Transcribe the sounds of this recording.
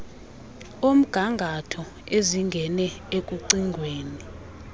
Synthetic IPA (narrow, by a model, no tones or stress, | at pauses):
om̩ɡ̥ʱaŋɡʱatʰɔ | eziŋɡʱɛnɛekʼuǀiŋɡʱweːni